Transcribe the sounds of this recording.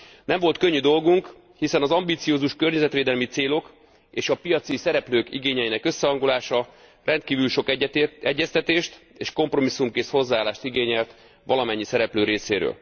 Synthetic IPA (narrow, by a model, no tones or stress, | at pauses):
nɛɱvo̞lt̪̚kø̞ɲːyd̪o̞lɡuŋk | hisɛnɒzɒmbiːt̪sijoːzuʃkø̞rɲɛzɛt̪ʋeːd̪ɛlmit̪seːlo̞k | eːʃɒpijɒt̪sisɛɾɛpløːkḭɡeːɲɛjinɛkø̞sːɛɦɒŋɡulaːʃɒ | rʔɛnt̪̚kiːvylʃo̞kɛɟːɛst̪ɛt̪eːʃt̪eːʃko̞mpro̞misːumkeːsho̞zːaaːlaːʃt̪iɡeːɲɛlt̪ | ʋɒlɒmɛɲːisɛɾɛpløːɾeːseːɾø̰l